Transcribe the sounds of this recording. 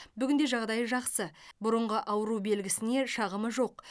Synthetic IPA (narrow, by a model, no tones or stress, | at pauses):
bʏɡʲɪnd̪e̞ʒɑʁd̪ɑjəʒɑqsəbʊɾəɴʁəʔɑwəɾube̞lɡʲɪsɪne̞ʃɑʁəməʒo̞q